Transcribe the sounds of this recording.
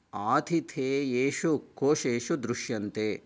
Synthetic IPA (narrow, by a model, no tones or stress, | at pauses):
aːt̪ʰit̪ʰeːjeːʃukʰːoːʂeːʃud̪ɾuʃjɐnt̪eː